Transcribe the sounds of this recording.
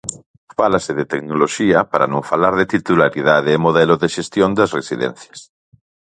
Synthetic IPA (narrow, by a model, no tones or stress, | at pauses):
falaseðet̪eknoloʃiɐpaɾa̰nõŋfalaɾðet̪it̪ulaɾiðaðeːmoðɛloðeʃest̪jond̪asresiðɛ̰n̟θjḁs